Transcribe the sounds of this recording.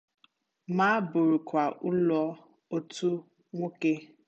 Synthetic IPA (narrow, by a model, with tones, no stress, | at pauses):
ma˦a˦bʊ˨ɾʊ˨kʷa˨ʔʊ˦lɔ˦ | o˦tu˦ | ŋʷo˦ke˦